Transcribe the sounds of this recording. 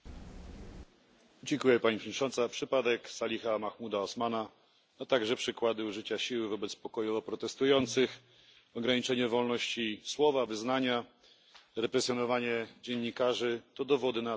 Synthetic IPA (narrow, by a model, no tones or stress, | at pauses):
d͡ʑɛŋkujɛpaɲipʂɲt͡ʂɔnt̪sapʂɘpad̪ɛksalʲixamaxmud̪aɔsmana | at̪aɡʐɛpʂɘkwad̪ɘuʐɘt͡ɕaɕiwɘvɔbɛt̪spɔkɔjuɔpɾɔt̪ɛst̪ujɔnt̪sɘx | ɔɡɾaɲit͡ʂɛɲɛvɔlnɔɕt͡ɕiswɔvavɘznaɲa | ɾɛpɾɛsjɔnɔvaɲɛd͡ʑɛɲːikaʐɘt̪ɔd̪ɔvɔd̪ɘna